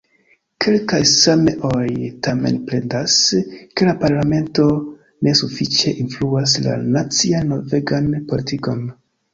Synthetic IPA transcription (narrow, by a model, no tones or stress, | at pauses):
kʰe̞lkajsameʔojtame̞̰npɾe̞ndaske̞lapaɾlame̞nto̞ | ne̞sufit͡ʃe̞ʔinfluas̬la̰nat͡sianːo̞ve̞ɡanpo̞litiko̞n